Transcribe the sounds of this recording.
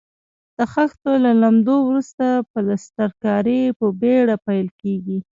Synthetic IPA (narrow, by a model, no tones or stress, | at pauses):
d̪̥əxaxt̪olalamd̪owɾust̪apəlast̪aɾkɑɾipəbeɽapajlkeɡi